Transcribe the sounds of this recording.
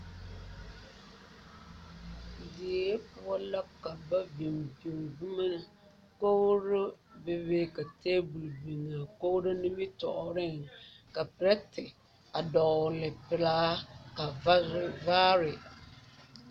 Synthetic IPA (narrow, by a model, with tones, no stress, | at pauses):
di˨˦pʊ˦a˦la˦ka˨ba˦bi˨mbi˨ŋ˨vu˦ma˦na˨ | ko˦ɾo˦be˦beː˦ka˨teː˦bu˨lbi˨ŋa˨ko˦ɾo˦nɪ˦mi˦tɔ̰˨ʔʊ˨ɾɪ˦˨ŋka˨pɪ˨ɾɛ˦tɪ˨ | a˨dɔ˨lɪ˨pɪ˨laː˦ka˨va˦vaː˦ɾɪ˨